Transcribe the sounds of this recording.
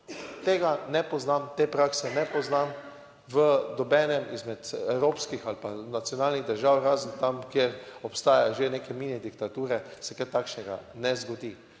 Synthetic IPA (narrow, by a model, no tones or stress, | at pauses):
t̪eːɡanɛpɔznamt̪eːpɾaːksɛnɛpɔznam | ʋəd̪ɔbɛːnɛmizmɛt̪ɛwɾoːpskixalpanat̪sʲjɔnaːlniɣd̪əɾʒawɾaːzənt̪amkjeɾɔpst̪aːjaʒeneːkɛmiːnɛd̪ikt̪at̪uːɾɛsɛkɛɾt̪aːkʃnɛɡa̰nɛzɡɔd̪iː